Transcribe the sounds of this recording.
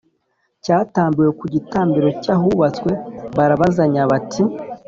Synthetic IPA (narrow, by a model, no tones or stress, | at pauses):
caːtaːmbije̞kuɟitaːmbiɾo̞caɦuβat͡skwe̞βaɾaβazaɲaβatʰi